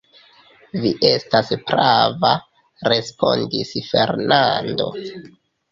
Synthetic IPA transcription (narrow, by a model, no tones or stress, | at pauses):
viʔe̞staspɾava | ɾe̞spo̞ndisfe̞ɾnando̞̰